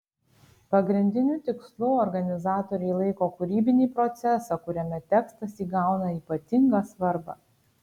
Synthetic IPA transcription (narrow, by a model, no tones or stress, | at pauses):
pɐɡɾʲɪnʲd̪ʲɪnʲuːt̪ʲɪkslˠʊɔɾɡɐnʲɪzɑːt̪oːɾʲɛɪlˠɐɪkoːkʊɾʲiːbʲɪnʲiːpɾɔt̪sʲɛsɑkʊɾʲɛmʲɛt̪ʲɛkst̪ɐsʲiːɡɑˑʊnɐiːpɐt̪ʲɪŋɡɐsʋɐɾbɑ̰ː